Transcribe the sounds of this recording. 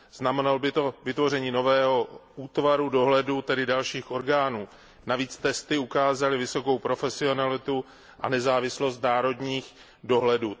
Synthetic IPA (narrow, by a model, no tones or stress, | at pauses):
z̥namɛnalobɪt̪o̞vɪt̪vo̞rɛɲiːno̞vɛːɦo̞ʔuːt̪vaɾudo̞ɦlɛdut̪ɛdɪdalʃiːxʔo̞ɾɡaːnuː | naviːt͡st̪ɛst̪ɪukaːzalɪvɪso̞ko̞wpɾo̞fɛsɪo̞nalɪt̪u | ʔa̰nɛzaːvɪslo̞st̪naːɾo̞dɲiːx | do̞ɦlɛduː